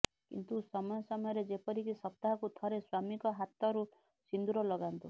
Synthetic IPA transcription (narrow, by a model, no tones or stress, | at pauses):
kḭnt̪usɔmɔjɔsɔmɔjɔɾed͡ʒepɔɾikisɔp̚t̪aɦɔkut̪ʰɔɾeswamikɔɦat̪ɔɾu | sind̪uɾɔlɔɡant̪u